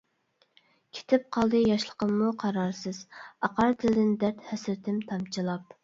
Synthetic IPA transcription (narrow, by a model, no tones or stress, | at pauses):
kʲʰe̥t̪ʰɪp̚qʰɑlˠd̪ɨjɑʃlˠəqəmːuqʰɑɾɑɾsɨzɑqɑɾd̪ʰɪld̪ɪnd̪ɛɾt̪hɛsɾɪt̪ʰɪmt̪ʰɑmt͡ʃʰɨlˠɑp